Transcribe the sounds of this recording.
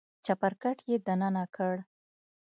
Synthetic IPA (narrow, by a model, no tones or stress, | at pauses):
t͡ʃapaɾkaʈjed̪ananakəɽ